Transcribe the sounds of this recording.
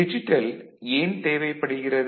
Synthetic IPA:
ɪd͡ʒɪʈːɐleːnt̪eːʋɐɪpːɐɽɯɣɪrɐð

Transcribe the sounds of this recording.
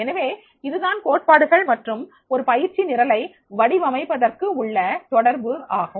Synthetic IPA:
ɛnɐʋeː | ɪðɯðaːnkoːʈ̚paːɽɯɣɐɭmɐʈrɯm | ɔɾɯpɐjɪɾt͡ʃːinɪɾɐlɐɪ | ʋɐɽɪʋɐmɐɪpːɐðɐrkɯʊɭːɐt̪ɔɽɐɾbɯaːɣɐ

